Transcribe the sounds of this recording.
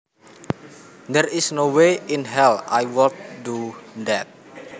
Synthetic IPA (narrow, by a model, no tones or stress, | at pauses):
d̪ɛɾisnoweʔinɦɛla̰jwɔlt̪̚dudɛt̪̚